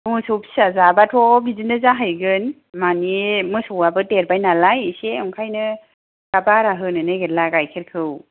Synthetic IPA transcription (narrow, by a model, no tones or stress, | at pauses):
mɯsupsazabatʰɔbʱizɯnɯzaɦajɡɯn | manimɯsuwabɯteɾbajnalajseŋkʰajnɯ | ɡ̥abaɾaɦɯnɯnɯɡelaɡajkʰeɾkʰɯw